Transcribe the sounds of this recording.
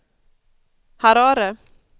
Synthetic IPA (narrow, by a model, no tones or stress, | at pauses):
haɾaːɾə